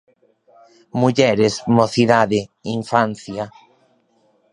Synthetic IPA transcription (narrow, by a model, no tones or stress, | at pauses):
muʎɛɾesmoθiðaðeiɱfan̟θja